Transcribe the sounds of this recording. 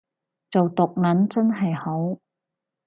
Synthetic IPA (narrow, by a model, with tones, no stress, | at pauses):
t͡so˨wt̪ʊ˨k̚nɐ˨˥nt͡sɐ˥nɦɐ˨jho˨˥w